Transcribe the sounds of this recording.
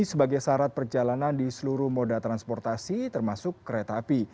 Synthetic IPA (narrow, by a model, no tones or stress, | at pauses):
səbaɡajsaɾat̪̚pərd͡ʒalanandisəluɾuhmodat̪ɾanspɔrt̪asit̪ərmasʊkːɾet̪api